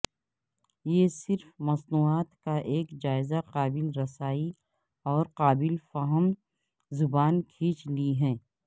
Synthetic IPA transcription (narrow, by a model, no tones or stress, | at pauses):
jeːsɪɾfmɐsnuːaːt̪kaʔeːkd͡ʒaːɪzaqaːbɪlɾɐsaːi | ɔːɾqaːbɪlfaɦəm | zʊbaːnkʰiːt͡ʃliɦɛː